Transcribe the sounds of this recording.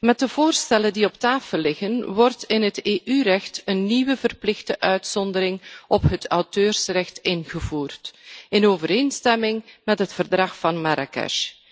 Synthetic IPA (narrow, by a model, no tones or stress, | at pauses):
mɛt̚dəv̥oːrstɛləndiɔptaːfəlːɪɣənwɔrtɪnɦəteːʔyrɛxtənːiwəvərplɪxdəʔœɥtsɔndəɾɪŋʔɔpɦətʰɑwtøːrsrɛxtɪnɣəvuːrtɪnoːvəɾeːnstɛmɪŋmɛtɦətfərdrɑxfɑnmaɾa̰kɛ̰ʃ